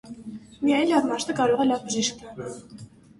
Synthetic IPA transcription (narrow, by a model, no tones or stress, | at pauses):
mijɑjnlɑvmɑʃt̪əkɑɾɔʁɛlɑvbəʒiʃkvɛ